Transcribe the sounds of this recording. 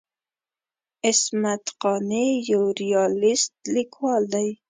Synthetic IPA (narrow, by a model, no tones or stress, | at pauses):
ɪsmat̪qɑnejawɾijɑlɪst̪̚likwɑld̪aj